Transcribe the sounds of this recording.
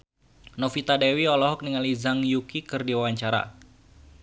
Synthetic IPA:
nofit̪adɛwiɔlɔɦɔk̚niŋalizaŋjukikɨrdiwawaɲt͡ʃaɾa̰

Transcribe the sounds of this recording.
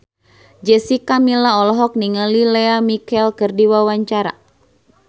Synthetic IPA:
d͡ʒɛsikamilaɔlɔɦɔk̚niŋəlilɛamikɛlkɨrdiwawaɲt͡ʃaɾa̰

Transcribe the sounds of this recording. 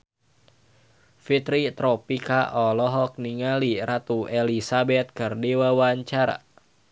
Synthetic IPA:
fit̪ɾit̪ɾɔpikaʔɔlɔɦɔk̚niŋaliɾat̪uɛlisabɛt̪̚kɨrdiwawaɲt͡ʃaɾa̰

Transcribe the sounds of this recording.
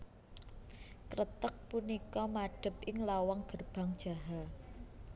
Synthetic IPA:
kɾət̪ək̚punikɔmaɖ̥ə̤pʔɪŋlawaŋɡ̥ərb̥a̤ŋd̥ʒ̥a̤ɦa

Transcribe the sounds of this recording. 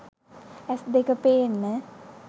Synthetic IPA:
æsd̪ekəpeːnːə

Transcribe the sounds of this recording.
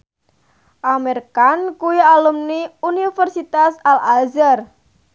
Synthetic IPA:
ʔamerkankuwialumniunifɛrsit̪asalalzər

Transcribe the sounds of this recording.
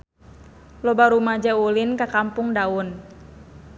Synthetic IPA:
lɔbaɾumad͡ʒaulinkakampuŋdaun

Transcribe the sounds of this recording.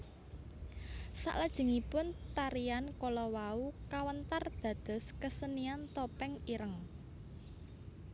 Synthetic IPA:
sa̰ʔlad̥ʒ̥ə̤ŋipʊnt̪aɾiankɔlɔwaukawənt̪ard̪̥ä̤d̪̥ɔ̤skəsəniant̪ɔpɛŋiɾəŋ

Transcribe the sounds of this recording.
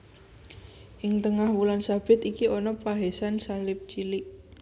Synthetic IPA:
ʔɪŋt̪əŋahwulansab̥ɪ̤t̪ikiʔɔnɔpaɦesansalɪp̚t͡ʃilɪʔ

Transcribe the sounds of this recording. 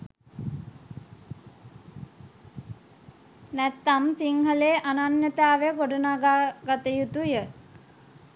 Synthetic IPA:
næt̪ːamsiŋɦəleʔananjət̪aːʋejɡoɖənaːɡaɡat̪əjut̪ujə

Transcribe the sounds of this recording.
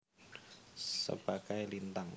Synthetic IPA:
sə̰b̥aɡajlint̪aŋ

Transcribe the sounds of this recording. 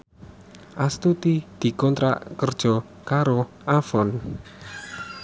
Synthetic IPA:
ʔast̪ut̪id̪̥i̤kɔnt̪ɾa̰ʔkərd̥ʒ̥ɔ̤ | kaɾo | ʔafɔn

